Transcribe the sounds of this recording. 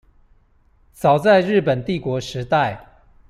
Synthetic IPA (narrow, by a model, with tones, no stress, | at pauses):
t͡sɑ˨˩ʊt͡sa˥˧ɪɻɻ̩˥˩pə˨˩nt̪i˥˨kwɔ˧˥ʂɻ̩˧˥t̪a˥˩ɪ